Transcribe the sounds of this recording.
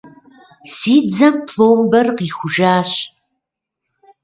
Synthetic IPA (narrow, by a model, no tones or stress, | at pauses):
siːd͡zɐmtʰloːwmbɐrqiːxʷʊʒaːɕ